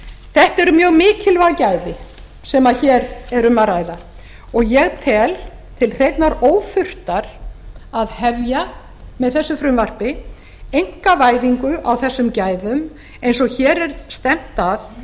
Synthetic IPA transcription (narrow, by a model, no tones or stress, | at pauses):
θɛht̪ɛɾʏmjœːɣmɪːcɪlvaðcaːjðɪ | sɛmaðçɛɾɛɾʏmaðɾaːjða | ɔɣjɛɣt̪ʰɛːl | t̪ʰɪlr̥ejt̪naɾoːwfʏr̥t̪aɾ̥aðhɛvja | mɛðθɛsːʏfɾʏmvar̥pɪ | ejŋ̥kavaːjðiŋkʏʔawθɛsːʏmcaːjðʏm | ejnsɔɣçɛːɾɛɾst̪ɛm̥t̪að